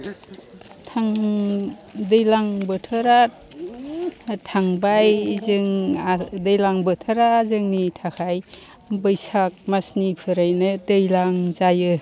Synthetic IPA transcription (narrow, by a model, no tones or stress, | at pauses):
tʰaŋ | dɯjlaŋbɯtʰɯɾa | tʰaŋbajzɯŋadejlaŋbɯtʰɯɾaːzɯŋnitʰakʰaj | bɯjsak̚masnipʰɯɾajnɯdejlaŋzajɯ